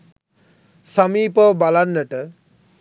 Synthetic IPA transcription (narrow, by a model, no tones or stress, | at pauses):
samiːpəʋbalanːəʈə